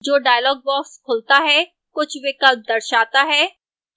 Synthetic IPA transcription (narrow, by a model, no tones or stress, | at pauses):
d͡ʒoːɖaːjlɔːɡ̚bɔːkskʰʊlt̪aɦɛ | kʊt͡ʃʰʋɪkɐlb̚d̪ɐɾʃaːt̪aɦɛː